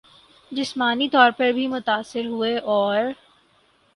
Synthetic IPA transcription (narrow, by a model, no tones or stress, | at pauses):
d͡ʒɪsmaːnit̪ɔːɾpɐɾbʱimʊt̪aːsɪɾɦueʔɔːɾ